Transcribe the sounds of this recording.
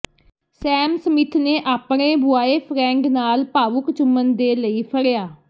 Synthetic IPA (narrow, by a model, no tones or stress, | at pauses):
sɛːmsəmɪt̪ʰneːʔaːpɳ̃eːbʱʊaːeːpʰɾɛ̃ːŋɡnaːlpaːʋʊkt͡ʃʊmːənd̪eːləiːpʰəɽejaː